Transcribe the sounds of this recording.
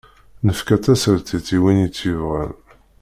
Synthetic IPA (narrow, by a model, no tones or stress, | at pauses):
nəfkæt͡sːæsəɾt̪iθiwinit͡sːivʁən